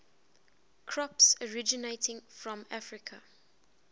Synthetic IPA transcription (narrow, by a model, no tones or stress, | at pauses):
kʰɹɔpsəɹɪd͡ʒɪneɪtʰɪ̃ŋfɹɔ̃mafɹɪkʰə